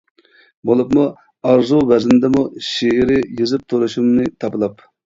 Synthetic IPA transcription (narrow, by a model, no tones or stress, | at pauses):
bolˠɨpmu | ɑɾzuvɛznd̪ɛmuʃeɪɾɪjɨzɨp̚t̪ʰuɾuʃumnɨt̪ʰɑpɨlˠɑp